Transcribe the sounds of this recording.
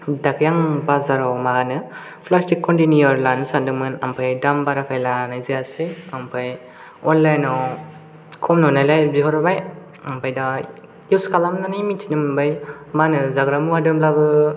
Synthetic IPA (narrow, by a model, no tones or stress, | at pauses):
dakʰjaŋbazaɾawmaɦanɯ | pʰlastikʰːɔntinijɔɾlansandɯŋmɯnampʰajdambaɾakʰajlanajzijaseampʰaj | ɔnlajnɔ | kʰɔmnɔnajlajbiɦɔɾbaj | ampʰajda | juskalamnanajmitʰinɯmɯnbaj | manɯzaɡɾamuadɯmlabɯ